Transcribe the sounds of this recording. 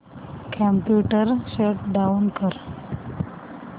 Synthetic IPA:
kʰampjuʈəɾɕeʈɖaunkəɾ

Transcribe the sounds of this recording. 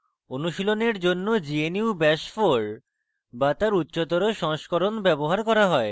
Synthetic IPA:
onuʃiloneɾd͡ʑonːod͡ʑieniubɛʃfoɾ | bat̪aɾutːɕot̪oɾoʃɔŋʃkoɾonbɛboɦaɾkɔɾaɦɔe

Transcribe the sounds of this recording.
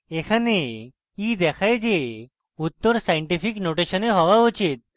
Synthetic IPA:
ekʰane | id̪ɛkʰajd͡ʑe | ut̪ːəɾsajəɳʈipiknoʈeɕəneɦɔʋaut͡ɕit̪̚

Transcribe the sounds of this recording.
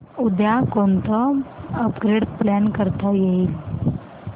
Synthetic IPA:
ud̪jakont̪əəpɡɾeɽplænkəɾt̪ajeil

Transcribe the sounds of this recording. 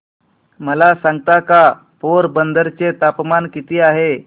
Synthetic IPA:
məlasãŋɡt̪aka | poɾbənd̪əɾt͡set̪apmankit̪iːaɦe

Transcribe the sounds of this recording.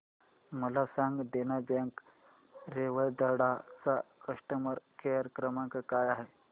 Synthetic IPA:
məlasãŋɡd̪enabaŋk | ɾeʋəjd̪əɽat͡sakəʂʈəməɾkejəɾkɾəmãŋkakajaɦe

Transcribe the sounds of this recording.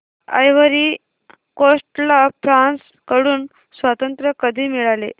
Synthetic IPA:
a̰jʋəɾi | kosʈlapʰɾans | kəɽuːn | sʋat̪ənt̪ɾəkəd̪ʱiːmiɭale

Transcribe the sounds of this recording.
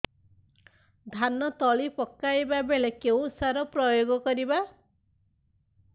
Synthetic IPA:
d̪ʱanɔt̪ɔɭipɔkːajbabeɭekeũusaɾɔpɾɔjoɡɔkɔɾiba

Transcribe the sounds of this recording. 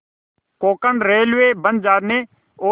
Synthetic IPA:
koːkənɾeːlʋeːbənd͡ʒaːɾneː | oː

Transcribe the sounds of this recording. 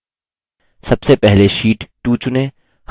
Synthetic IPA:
sɐbsepɛɦleʃiːʈːuːt͡ʃʊnẽː

